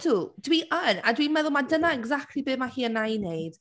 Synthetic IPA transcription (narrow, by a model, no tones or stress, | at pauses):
d̥uːd̥wiʔənadwimɛðʊlˠmadənaɛɡzak̚tʰlibɨːmahiːənajnejɨd̥